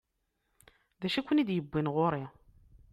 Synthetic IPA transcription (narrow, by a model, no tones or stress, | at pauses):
ðæʃækʷːənid̪jəbːinʁoɾi